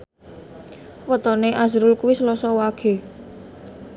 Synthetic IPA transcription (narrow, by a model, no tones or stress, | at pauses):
wət̪ɔneʔazɾʊlkuwisəlɔsɔwaɡ̥e̤